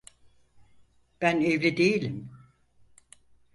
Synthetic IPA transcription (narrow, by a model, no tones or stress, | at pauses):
b̥ænevlʲid̪ejilʲim